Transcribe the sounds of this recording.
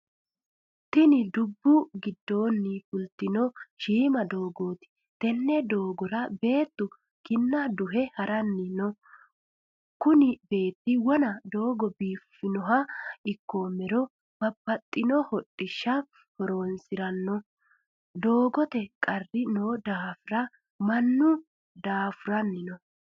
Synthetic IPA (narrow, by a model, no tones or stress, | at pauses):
t̪ɪnɪd̪ʊbːʊɡɪd̪ːo̞ːnːɪfʊlt̪ːɪnɔʃiːmɐd̪o̞ːɡoːt̪ɪ̥ | t̪ɛnːɛd̪o̞ːɡɔɾɐbe̞ːt̪ːʊ | kɪnːɐd̪ʊɦɛhɐɾɐnːɪnɔ | kʊnɪbe̞ːt̪ːɪwɔnɐd̪o̞ːɡɔbiːfɪnɔɦɐɪkːomɛɾɔ | b̥ɐbːɐt̪ʼːɪnɔhɔtʼːɪʃːɐ | hɔɾoːnsɪɾɐnːɔ | d̪o̞ːɡɔt̪ɛkʼɐrːɪnoːd̪aːfʊɾɐ | mɐnːʊ | d̪aːfʊɾɐnːɪnɔ